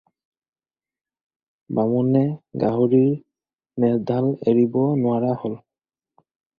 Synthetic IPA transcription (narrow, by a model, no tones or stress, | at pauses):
bamɔnɛɡaɦoɹiɹ | nɛdʱaleɹibɔnʊwaɹahol